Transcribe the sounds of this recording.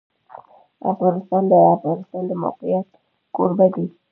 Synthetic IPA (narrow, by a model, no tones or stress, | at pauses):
a̰paɾisandajapaɾisandəma̰kujat | kṵɾbaɡi